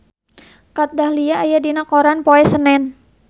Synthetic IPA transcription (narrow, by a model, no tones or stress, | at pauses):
kat̪̚dahliaːjadinakoɾanpoɛsənɛn